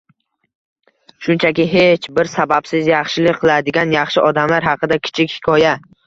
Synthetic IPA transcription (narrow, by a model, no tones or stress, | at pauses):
ʃʊnt͡ʃʰakʲɪɦet͡ʃbɪɾsabapsɪzjɑχʃɪlɪk̚ʲqʰɨlˠad̪ɪɡʲanjɑχʃɪʔɒd̪amlaɾhɑqʰɨd̪akʲʰɪ̥t͡ʃʰɪkʲhɪ̥kʲʰɒja